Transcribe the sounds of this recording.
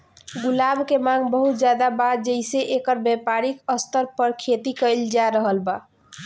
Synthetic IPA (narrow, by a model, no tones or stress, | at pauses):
ɡulabkemãɡbəɦut̪̚d͡ʒjad̪abat̚d͡ʒəɪseʔekəɾbepaɾikəst̪əɾpəɾkʰet̪ikəɪld͡ʒaɾəɦəlba